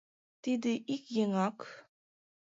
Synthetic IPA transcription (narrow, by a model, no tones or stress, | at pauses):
t̪id̪ɘʔikjĕŋɑk